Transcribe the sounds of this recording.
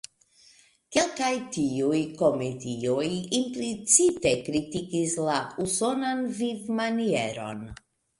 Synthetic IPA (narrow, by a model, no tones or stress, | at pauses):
ke̞lkajtiujko̞metiojimplit͡site̞kɾitikislauso̞nanvivmanie̞ɾo̞̰n